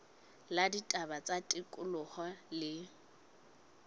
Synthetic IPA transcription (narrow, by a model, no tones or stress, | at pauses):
laditʼabat͡sʼatʼɪkʼʊlʊhɔlɪ